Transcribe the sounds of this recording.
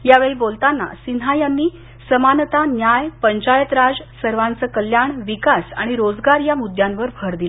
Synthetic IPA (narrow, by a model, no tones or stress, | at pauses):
jaʋeɭibolt̪anːa̰sinɦajanːiː | səmant̪anjajpəɲt͡ɕajət̪ɾad͡zsəɾʋãnt͡səkəljaɳʋikasa̰ɽ̃iɾod͡zɡaɾjamud̪ʱjãnʋəɾbʱəɾd̪il